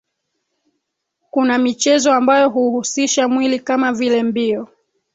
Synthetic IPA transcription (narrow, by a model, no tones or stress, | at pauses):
kunamit͡ʃɛzɔambajɔɦuhusiʃamwilikamavilɛmbiɔ